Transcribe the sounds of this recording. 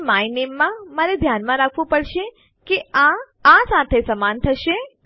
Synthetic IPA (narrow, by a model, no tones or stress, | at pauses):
mainemːãməɾed̪ʱjanmãɾakʰʋũpəɽʃe | keã | ãsat̪ʰesəmant̪ʰəʃe